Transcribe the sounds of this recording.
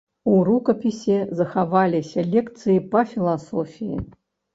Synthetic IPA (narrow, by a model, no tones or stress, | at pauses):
uɾukɐpʲisʲɛzɐxavalʲisʲɐlʲɛkt̪sɨjipɐfʲilˠasɔfʲijḭ